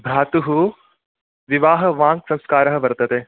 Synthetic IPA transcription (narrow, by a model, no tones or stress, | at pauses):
bʱɾaːt̪uɦu | ʋiʋaːɦɐ̆ʋãːŋɡsɐ̃ŋskaːɾɐɦɐʋɐɾt̪ɐt̪eː